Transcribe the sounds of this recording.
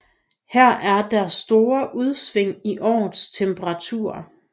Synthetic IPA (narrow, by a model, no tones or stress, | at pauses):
hæɐ̰ʔæɐd̥æɐsːd̥o̝ːɐʔuð̞ˠsʋeŋ̰iʔɒ̰ːð̩ˠst͡sʰemb̥ʰəʁɑ̈t͡sʰṵɐ̰